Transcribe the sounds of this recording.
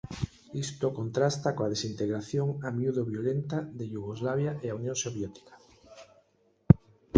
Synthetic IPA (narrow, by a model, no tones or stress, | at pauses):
ist̪okont̪ɾast̪akoað̞esint̪eɣɾaθjoŋamjuðoβjolent̪aðeʎuɣ̞ozlaβ̞jaʔeaunjõŋsoβjet̪i̥kḁ